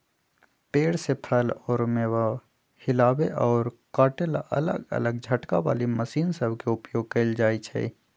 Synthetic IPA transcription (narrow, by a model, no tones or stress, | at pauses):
peːɽsepʰəlɔːɾmewa | hɪlaːbeʔɔːɾkaːʈelaʔə̰lə̰ɡə̰ləɡd͡ʒʱəʈka̰ʋa̰ːliməsiːnsəbʱkeʊpjoːɡ̚kəɪld͡ʒaːit͡ʃʰɛ̰